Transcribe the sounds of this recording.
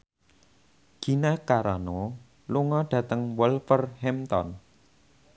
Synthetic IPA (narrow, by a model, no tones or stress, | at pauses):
ɡ̥i̤nakaɾano | luŋɔɖ̥ä̤t̪əŋwɔlfərhɛmt̪ɔ̰n